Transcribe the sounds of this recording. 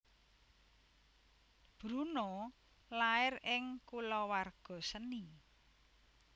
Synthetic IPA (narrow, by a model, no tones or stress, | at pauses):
b̥ɾuno | laɪrɪŋkulɔwarɡ̥ɔ̤səni